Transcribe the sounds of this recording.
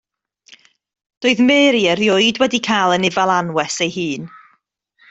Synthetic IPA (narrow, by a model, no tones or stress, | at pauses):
d̥oːɨðmeːɾiərjʊɨdwɛdikʰajlˠənɪvalˠanwɛsejhɨːn